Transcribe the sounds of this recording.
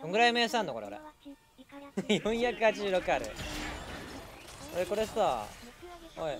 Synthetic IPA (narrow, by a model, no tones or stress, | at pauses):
koŋɡɯ̟ɾaimeːsãnːoko̞ɾeoɾḛ | jõɰ̃çakɯ̟hat͡ɕiʑɨːɾo̞kɯ̟aɾɯ̰ | oɾeko̞ɾesta | hoi